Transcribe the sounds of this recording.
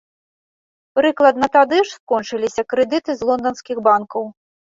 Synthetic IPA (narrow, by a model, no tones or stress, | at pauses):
pɾɨklˠɐd̪̚nɐt̪ad̪ɨʂskɔnt͡ʂɨlʲisʲɐkɾɛd̪ɨt̪ɨzlˠɔnd̪ɐnskʲiɣbankɐw